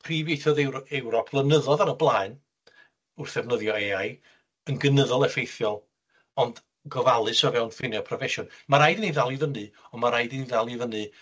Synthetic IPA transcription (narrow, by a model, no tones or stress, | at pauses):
pʰriːvejθɔðɛwɾɔpʰv̥lˠənəðɔðanəblˠaːɨn | ʊrθɛvnəðjɔeaj | ənɡənəðɔlˠɛfejθjɔlˠ | ɔnd | ɡɔvalˠɨsɔvɛwnfɪnjɛpʰrɔvɛʃɔnmaɾajdəniðalˠivənɨɔmaɾajdiniðalˠivənɨ